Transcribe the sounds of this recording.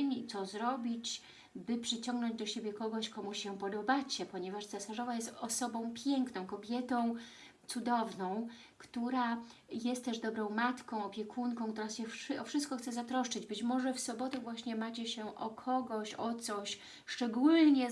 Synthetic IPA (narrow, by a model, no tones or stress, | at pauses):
ɲit̪sɔzɾɔbʲit͡ɕ | bɘpʂɘt͡ɕɔ̃ŋɡnɔ̃ɲd͡ʑd̪ɔɕebʲjɛkɔɡɔɕkɔmuɕɕːɛpɔd̪ɔbat͡ɕɛpɔɲɛvaʂt̪sɛsaʐɔvajɛst̪ɔsɔbɔ̃w̃pʲjɛŋknɔ̃w̃kɔbʲjɛt̪ɔ̃w̃ | t̪sud̪ɔvnɔ̃w̃ | kt̪uɾa | jɛst̪t̪ːɛʐd̪ɔbɾɔ̃w̃mat̪kɔ̃w̃ɔpʲjɛkʰuŋkɔ̃kt̪uɾasɕɛfʂʔɔfʂɨst̪̚kɔxt̪sɛzat̪ɾɔʂt͡ʂɘd͡ʑbɘt͡ɕmɔʐɛfsɔbɔt̪ɛvwaɕɲɛmat͡ɕɛɕɛʔɔkʰɔɡɔɕɔt̪sɔɕ | ʂt͡ʂɛɡulɲɛ